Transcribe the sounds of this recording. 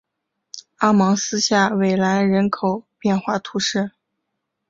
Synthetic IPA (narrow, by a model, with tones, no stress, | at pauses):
a˥mɑ˧˥ŋsɹ̩˥ɕja˥˩we˨˩ɪla˧˥ɪɻə˧˥nkʰo˨˩ʊpjɛ˥˧nxwa˥˩t̪ʰu˧˥ʂɻ̩˥˩